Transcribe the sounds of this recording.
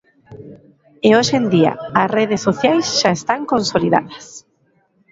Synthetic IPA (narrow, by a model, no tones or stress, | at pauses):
eoʃend̪iɐ̰ɐsreðesːoθjajsʃaest̪aŋkonsoliða̰ðɐs